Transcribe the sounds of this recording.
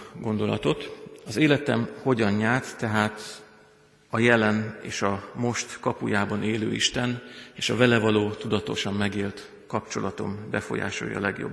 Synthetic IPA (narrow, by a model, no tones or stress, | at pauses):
ɡo̞nd̪o̞lɒ̰t̪o̞t̪ɒzeːlɛt̪ɛmho̞ɟɒnɲaːrt̪ːɛɦaːt̪ | ɒjɛlɛneːʃɒmo̞ʃt̪kɒpujaːbɒneːløːḭʃt̪ɛneːʃɒvɛlɛvɒloːt̪ud̪ɒt̪o̞ʃɒmːɛɡeːlt̪ | kɒpt͡ʃo̞̰lɒt̪o̞̰mbɛfo̞̰ja̰ːʃo̞̰jjɒ̰lɛɡjo̰b